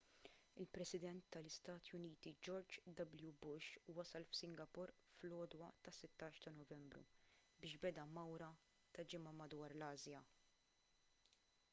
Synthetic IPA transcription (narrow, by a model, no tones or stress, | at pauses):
ɪlpɾɛsɪd̪ɛnt̪ːɐlɪst̪ɐːt̪jʊniːt̪id͡ʒɔɾd͡ʒd̪ɐbljubʊʃwɐsɐlfsɪŋɡɐpʊɾ | flɔːd̪wɐt̪ɐsɪt̪ːɐːʃt̪ɐnɔvɛmbɾṵbɪːʃbɛd̪ɐmɐwɾɐ | t̪ɐd͡ʒɪmɐmɐd̪wɐːɾlɐːzjɐ